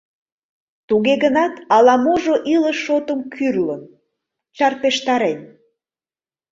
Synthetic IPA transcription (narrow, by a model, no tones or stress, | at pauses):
t̪uɣeɣənɑt̪ɑlɑmoʒoʔiləʃːot̪əmkʰyrlən | t͡ɕɑrpeʃt̪ɑɾen